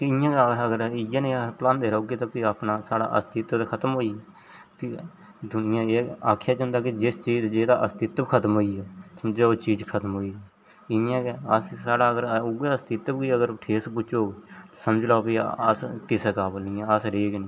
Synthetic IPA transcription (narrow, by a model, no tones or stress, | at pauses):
kɪjãːkːəɾəɡəɾɪjãːnẽːplãːnd̪eːɾaːoːɡit̪oːpiaːpnaːsaːɽa̰ːʔə̰st̪ɪt̪t̪kʰət̪əmɦoːiːɛː | pʰɪ | d̪ʊnɪjãːeːaːkʰːjaːd͡ʒãːnd̪aːkid͡ʒɪst͡ʃiːd͡ʒd͡ʒeːd̪aːʔəst̪ɪt̪bkʰət̪əmɦoːiːɛːsəmd͡ʒlaːoːt͡ʃiːd͡ʒkʰət̪əmɦoːiːɛ | ɪjãːkeəssaːɽaːəɡəɾʊɡeːəst̪ɪt̪bkiːəɡəɾʈʰeːspʊt͡ʃːoːt̪oːsəməd͡ʒlaːpiːə̰skɪsəkaːpnĩːãəsɾeːknɪ̃